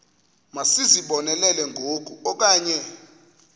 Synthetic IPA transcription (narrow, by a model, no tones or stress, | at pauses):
masiziɓɔnɛlɛlɛŋɡʱok̬ʼuɔk̬ʼaːɲɛ